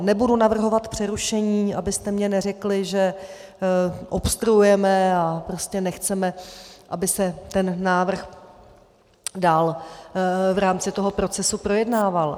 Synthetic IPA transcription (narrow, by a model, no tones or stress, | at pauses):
nɛbudunavr̩ɦo̞vat̪pr̝̥ɛɾuʃɛɲiːabɪst̪ɛmɲɛnɛrɛklɪʒɛ | ʔopst̪ɾuujɛmɛapɾo̞scɛnɛxt͡sɛmɛʔabɪsɛt̪ɛnːaːvr̩x | daːl | vɾaːmt͡sɪt̪o̞ɦo̞pɾo̞t͡sɛsupɾo̞jɛdnaːval